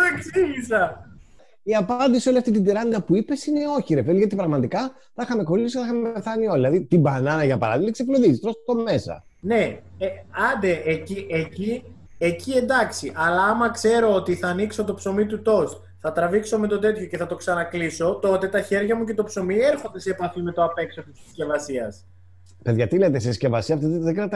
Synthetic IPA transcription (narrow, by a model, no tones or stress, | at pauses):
eksiʝisɐ | iɐpɐnd̪isioliɐft̪it̪id̪iɾɐnid̪ɐpuipe̞sine̞o̞çiɾefeliʝɐt̪ipɾɐɣmɐt̪ikɐ | θɐxɐme̞ko̞ɾiθjoskeθɐxɐmepepe̞θɐnio̞lilɐðit̪ibɐnɐnɐʝɐpɐ̰ɾɐ̰ðiksekmoðizist̪ɾo̞st̪ome̞sɐ̰ | ne̞eɐnd̪eʔecieci | ecie̞nd̪ɐksiʔɐlɐːmɐkse̞ɾo̞ot̪iθɐːnikso̞t̪opso̞mit̪ut̪o̞st̪ | θɐt̪ɾɐvikso̞me̞t̪o̞t̪e̞t̪ço̞ce̞θɐt̪o̞ksɐnɐkliso̞t̪o̞t̪e̞t̪ɐçe̞ɾʝɐmuce̞t̪opso̞mie̞ɾxond̪e̞sepɐθime̞t̪oɐpe̞kso̞t̪isiscʲe̞vɐsiɐs | pe̞ðʝɐt̪ilet̪esesce̞vɐsiɐfot̪et̪ðeɡɾɐt̪ː